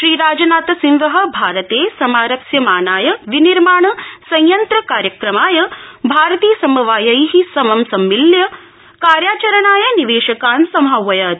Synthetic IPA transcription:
ʃɾiːɾaːd͡ʒɐnaːt̪ɐsinʋɐɦɐ̆bʱaːɾɐt̪eːsɐmaːɾɐksjɐmaːnaːjɐʋiniɾmaːɳɐsɐ̃jjɐnt̪ɾɐkaːɾjɐkɾɐmaːjɐbʱaːɾɐt̪iːsɐmɐʋaːjɐjɦisɐmɐmsɐmːiljɐ | kaːɾjaːt͡ʃɐɾɐɳaːjɐniʋeːʃɐkaːnsɐmɦawːɐjɐt̪

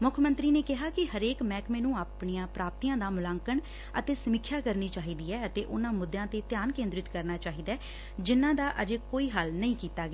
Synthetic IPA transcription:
mʊkʰmənt̪ɾiːneːkɪɦaːkɪhəɾeːkmɛːkmeːnũːaːpɳiːãːpɾaːp̚t̪iːãːd̪aːmʊlãːŋkəɳ | ət̪eːsəmɪkʰːjaːkəɾniːt͡ʃaːɦiːd̪iːɛːət̪eːʔʊnãːmʊd̪ːjãːt̪eːt̪jaːnkẽːnd̪ɾɪt̪kəɾnaːt͡ʃaːɦiːd̪aː | d͡ʒɪnːãːd̪aːʔəd͡ʒeːkoːiːɦəlnəĩːkiːt̪aːɡɛː

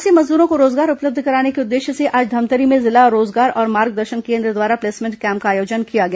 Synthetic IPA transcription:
simɐzd̪uːɾõkoɾoːzɡaːɾʊpləb̚d̪ʱkɐɾaːnekeʊd̪ːeːʃseʔaːd͡ʒd̪ʱɐmt̪əɾimẽzɪlaɾoːzɡaːɾɔːɾmaːɾɡ̚d̪əɾʃənkẽːnd̪ɾəd̪ʋaːɾapleːsmɪ̃ːɳʈkɛ̃ːmp̚kaːjoːd͡ʒənkijaɡɐja

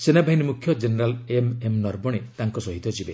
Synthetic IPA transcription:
senabʱaɦinimukʰjɔd͡ʒeneɾalememnɔɾbɔɽ̃et̪aŋkɔsɔɦit̪ɔd͡ʒʰibe

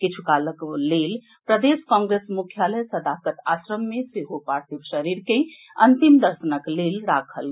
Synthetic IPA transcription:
kit͡ʃʰukaləklel | pɾəd̪eskɔ̃ŋɡɾesmukʰjaləjsəd̪akət̪asɾəmːeseɦopaɾt̪ʰibʃəɾiɾke | ənt̪imd̪əɾsənəklelɾakʰəl

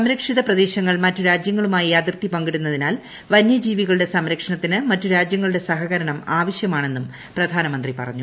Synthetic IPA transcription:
sɐmɾɐkʂiðɐprɐðe̞ːɕɐŋːɐɭmɐtːuɾaːd͡ʑjɐŋːɐɭumaːjiɐd̪irt̪ipɐŋɡiɽunːɐðinaːl | ʋɐnjɐd͡ʑiːʋiɣɐɭɨɽe̞sɐmɾɐkʂɐɳɐt̪ːinɨmɐtːuɾaːd͡ʑjɐŋːɐɭuɽe̞sɐɦɐɣɐɾɐɳɐmaːʋɐɕjɐmaːɳe̞nːum | prɐd̪ʱaːnɐmɐnd̪ripɐ̰rɐ̰ɲːu

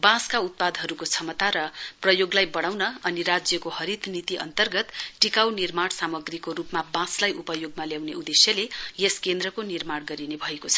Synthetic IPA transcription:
bãskaut̪̚pad̪ʱɦʌɾukot͡sʰʌmʌt̪aɾʌprʌjoɡlajbʌɽ̃awnʌʌniɾad͡zjʌkohʌɾit̪nit̪iʔʌ̰nt̪ʌrɡʌt̪ʈikawnirmaɽsamʌɡrikoɾupmabãslajʔupʌjoɡmaljawneud̪esjʌlejeskend̪rʌkonirmaɽɡʌɾinebʱʌekot͡sʰʌ̥

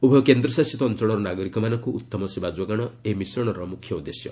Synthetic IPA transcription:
ubʱɔkend̪ɾɔsasit̪ɔːnt͡ʃɔɽ̃ɔɾɔnaɡɔɾikɔmanɔŋkuʔut̪ːɔmɔsebad͡ʒɔɡaɽ̃ɔemisɾɔɽ̃ɔɾɔmukʰjɔud̪esjɔ̰

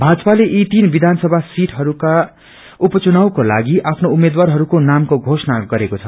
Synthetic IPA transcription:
bʱad͡zʌpaleʔit̪inbid̪ʱansʌbʱasiʈʰɦʌɾuka | upʌt͡sunawkolaɡiʔapʰnoumed̪warɦʌɾukonamkoɡʱosʌnaɡʌɾekot͡sʰʌ

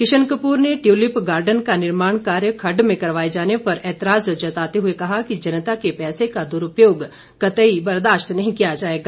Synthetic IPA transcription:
kɪʃənkəpuːɾneʈjuːlɪpɡaːɾɖənkanɪɾmaːɽ̃kaːɾjəkʰɐɖmẽkɐɾʋaːed͡ʒaːnepɐɾɛːt̪əɾaːzd͡ʒɐt̪aːt̪eɦuekɐɦakid͡ʒɐnət̪akepɛːsekad̪ʊɾʊpjoːɡ | kɐt̪əibɐɾd̪aːʃt̪nɐɦĩkijad͡ʒaːeːɡaː

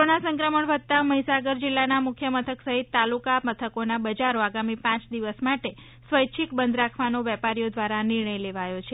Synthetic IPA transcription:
onasə̃ŋkɾəməɳʋəd̪̚t̪aməɦisaɡəɾd͡ʒɪlːanamʊkʰjəmət̪ʰəksəɦit̪ːalukamət̪ʰəkonabəd͡ʒaɾoaɡamipãt͡ʃd̪iʋəsmaʈe | sʋəjt͡ʃʰikbənd̪ɾakʰʋanoʋɛpaɾijod̪ʋaɾanɪɾɳəjleʋajot͡ʃʰe

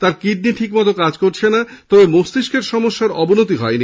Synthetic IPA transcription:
t̪aɾkiɖ̚niʈʰikmɔt̪okad͡ʑkoɾt͡ɕʰenat̪ɔbemost̪iʃkeɾʃɔmoʃːaɾɔbonot̪iɦɔ̰eni

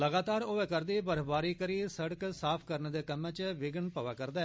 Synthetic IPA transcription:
ləɡaːt̪aːɾoːeːkəɾd̪iːbəɾbaːɾiːkəɾiːsəɽəksaːpʰkəɾnːd̪eːkəmɛ̃ːt͡ʃʋɪɡənpəʋaːkəɾd̪aː

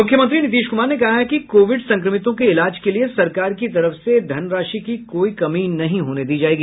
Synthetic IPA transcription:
mʊkʰjəmɐ̃nt̪ɾinɪt̪iːʃkʊmaːɾnekɐɦaɦɛkikoːʋɪɖsɐ̃ŋkɾəmɪt̪õkeɪlaːd͡ʒkeliesɐɾkaːɾkit̪ɐɾəfsed̪ʱɐnɾaːʃikikoːikɐmiːnɐɦĩɦoːned̪iːd͡ʒaːeːɡiː

